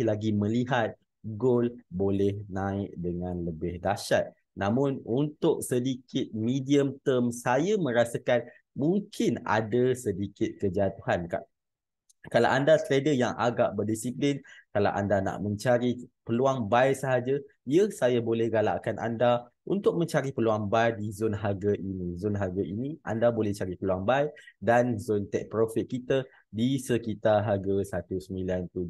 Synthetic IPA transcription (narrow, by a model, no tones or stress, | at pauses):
laɡimə̃liɦat̪̚ | ɡolbolɛhnãɪk̚dəŋãnləbɪhdaʃat̪̚ | namʊ̃nunt̪ʊk̚sədikʰɪt̪̚midiəmt̪əmsajamə̃ɾasakan | mũŋkɪna̰dasədikɪt̪̚kərd͡ʒat̪uhanka̰ʔ | kalawʔandat̪ɾedəjaŋʔa̰ɡa̰ʔbərdisiplɪnkala̰wʔa̰ndana̰ʔmə̃ɲt͡ʃaɾipəluaŋbajsəɦad͡ʒa | iəsajabolɛhɡala̰ʔkanʔa̰nda | unt̪ʊk̚mə̃ɲt͡ʃaɾipəluaŋbajdizonɦaɡaʔinĩzonɦaɡaʔiniʔa̰ndabolɛht͡ʃaɾipəluaŋbajdanzont̪ɛ̰ʔ̚pɾofit̪̚kit̪a | disəkit̪aɦaɡasat̪usəmilant̪u